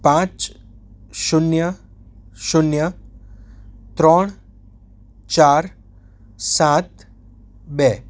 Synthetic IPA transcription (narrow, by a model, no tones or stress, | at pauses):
pãt͡ʃ | ʃunjə | ʃunjə | t̪ɾɔɳ̃ | t͡ʃaːɾ | sat̪ | bɛ